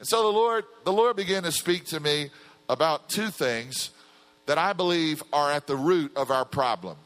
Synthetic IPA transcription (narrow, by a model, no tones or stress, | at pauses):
ɨ̃nsoʊðəlɔɹd̪̚ðəlɔɹd̚bɨɡɪ̃ntɨspik̚tʰɨmi | əbaʊtʰʉθɪ̃ŋz̥ | ðɨɾaɪbəlivə˞ɨt̪̚ðəɹʉɾʌvaʊə˞pʰɹ̥ɑblə̰̃m